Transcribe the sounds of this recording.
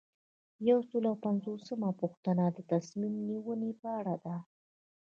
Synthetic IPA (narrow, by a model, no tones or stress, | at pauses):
jawsəlawpanzosəmapuxt̪ənad̪ət̪asmimniwənepəaɽad̪a